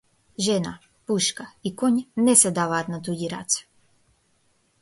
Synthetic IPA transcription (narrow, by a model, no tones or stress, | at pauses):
ʒena̰ | puʃkaikoɲnesɛd̪aːʋaːt̪nat̪uɟiɾa̰t̪sḁ